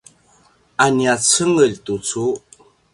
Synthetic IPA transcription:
ʔaniat͡səŋəʎtut͡su

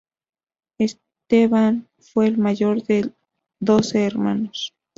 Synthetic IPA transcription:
es | t̪eβan | fwe̞ːlmaʝo̞ɾðe | d̪o̞seːɾma̰nos

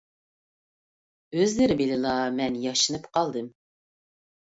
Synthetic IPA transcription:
øzlɪɾɪbɪlɪlˠɑmɛnjɑʃɨnɨpqɑlˠd̪ɨm

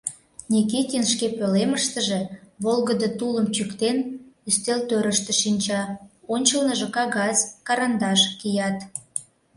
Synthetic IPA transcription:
nʲik̬it̪ʲinʃkepøleməʃt̪əʒe̽βolɣəd̪ət̪uləmt͡ɕykt̪enyst̪elt̪øɾəʃt̪ə̆ʃinʲt͡ɕɑonʲt͡ɕəlnəʒəkɑɣɑzkɑɾɑnd̪ɑʃkijɑt̪

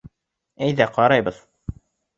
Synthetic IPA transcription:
æjðæqɑɾɑjbɤð̥

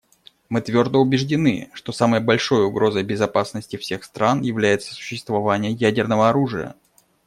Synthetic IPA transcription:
mɨt̪vʲo̞rd̪əʊbʲɪʐdʲɪnɨ̰ʂt̪o̞saməjəbɐlʲʂo̞jʊɡɾo̞zəjbʲɪzɐpasnəsʲtʲɪfsʲe̞xst̪ɾanjɪvlʲæjɪt̪sə̥sʊ̥ɕːɪst̪vɐvanʲɪjəjædʲɪrnəvəɐɾuʐɨjə̰

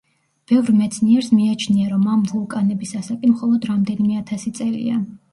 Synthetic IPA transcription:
b̥ɛvɾmɛt̪sʰniɛɾsmiat͡ʃʰniaɾɔmamvulˠkʼanɛbisasakʼimχɔlˠɔd̪ɾamd̪ɛnimɛat̪ʰasit̪sʼɛlḭa̰

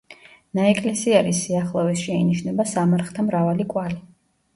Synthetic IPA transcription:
naɛkʼlɛsiɛɾisiaχlˠɔvisʃɛiniʃnɛbasamaɾχt̪ʰamɾavalikʼwali

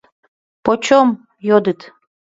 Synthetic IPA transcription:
pot͡ɕom | jod̪ɨt̪

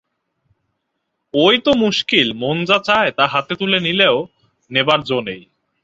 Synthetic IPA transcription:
ojt̪omuʃkilmond͡ʑat͡ɕaet̪aɾɦat̪et̪ulenileo | nebaɾd͡ʑonej

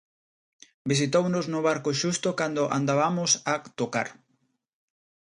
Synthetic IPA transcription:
bis̬it̪ownʊznʊβaɾkoʃust̪okand̪oʔa̰nd̪aβamʊsat̪oka̰ɾ

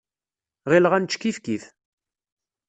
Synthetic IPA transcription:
ʁilʁænt͡ʃːkifkiθ

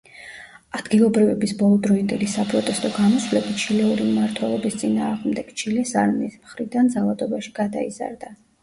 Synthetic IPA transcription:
ad̪ɡilˠɔbɾivɛbisbɔlˠɔd̪ɾɔind̪ɛlisapʼɾɔt̪ʼɛst̪ʼɔɡamɔswlɛbit̪t͡ʃʰilɛuɾiumaɾt̪ʰwɛlˠɔbist̪sʼinaːʁmd̪ɛɡ̥t͡ʃʰilɛsaɾmismχɾid̪and̪zalˠad̪ɔbaʃiɡ̥ad̪a̰iza̰ɾd̪a

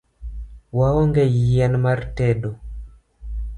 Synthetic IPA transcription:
waɔŋɡɛjɛnmartɛɗo

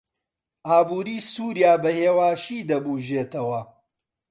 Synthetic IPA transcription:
aːbuːɾiːsuːɾjaːbɐheːwaːʃiːd̪ɐbuːʒeːt̪ɐwɐ

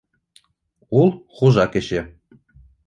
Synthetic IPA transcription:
ulˠχuʒɑkĕɕĕ

